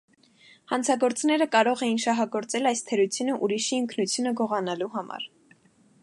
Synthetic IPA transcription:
hɑnt͡sʰɑɡɔɾt͡snɛɾəkɑɾɔʁɛjinʃɑɦɑɡɔɾt͡sɛlɑjst̪ʰəɾut͡sʰjunəʔuɾiʃiəŋkʰnut͡sʰjunəɡɔʁɑnɑluɦɑmɑ̰ɾ

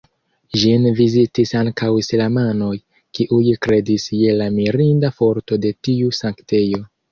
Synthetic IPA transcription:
ʒinvizitisaŋkawislamano̞j | kiʔujkɾe̞disje̞lamiɾindafo̞ɾto̞de̞tiusaŋkte̞jo̞

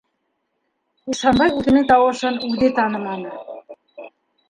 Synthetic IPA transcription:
iʃɑnbɑjuk̪ɘ̆net̪ɑwɤʃɤ̆nud̪et̪ɑnɤ̆mɑnɤ̆

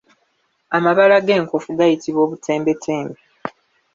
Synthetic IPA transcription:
amaβalaɡe̞ːŋko̞fuɡajitiβwo̞ːβutʰe̞ːmbe̞tʰe̞ːmbe

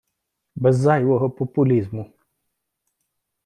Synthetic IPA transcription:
bɛzajwɔɦɔpɔpʊlʲizmʊ

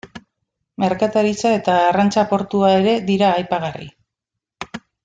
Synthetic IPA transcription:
me̞ɾkat̪aɾit͡sae̞t̪aːrant͡sapo̞ɾt̪uae̞ɾe̞ðiɾaːjpaɣ̞arḭ

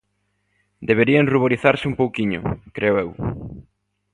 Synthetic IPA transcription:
d̪eβeɾieŋruβoɾiθaɾsɪumpowkiɲʊ̰kɾeoew

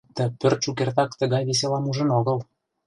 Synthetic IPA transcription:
t̪ə̆pørt̪ʃukert̪ɑkt̪ə̆ɣɑjβes̬elɑmuʒə̆noɣɤ̆l

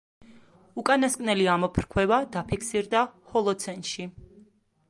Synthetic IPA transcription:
ukʼanaskʼnɛliamɔpʰɾkʰwɛvad̪apʰikʰsiɾd̪ahɔlˠɔt̪sʰɛnʃi

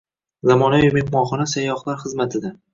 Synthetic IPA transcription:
zamɒnajʊmehmɒχɒnasajːɒχlˠaɾχɨzmat̪ʰɪd̪a

